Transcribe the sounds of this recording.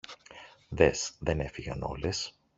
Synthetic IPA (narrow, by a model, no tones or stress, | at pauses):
ðesðe̞ne̞fiɣɐ̰no̞̰les